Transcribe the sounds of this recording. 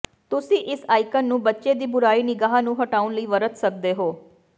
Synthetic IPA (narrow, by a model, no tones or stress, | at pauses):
t̪ʊsĩʔɪsaːɪkənːũːbətːʃed̪iːbʊɾaːiːnɪɡaːɦanũːɦɐʈaːʊnləiːʋəɾət̪sək̚d̪eɦoː